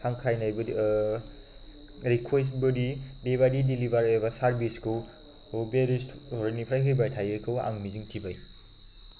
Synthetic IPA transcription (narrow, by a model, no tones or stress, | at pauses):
haŋkʰɾajnajbɐ | ɾikʰwes̬tbɯdidebadidilibaɾabɐsaɾbiskʰɯw | obeɾisuɾnipʰɾajɦɯjbajtʰajɯkʰɯwa̰ŋmiziŋtʰibaj